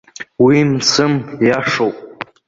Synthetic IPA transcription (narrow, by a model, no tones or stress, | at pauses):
wimsɨmjaʂowpʼ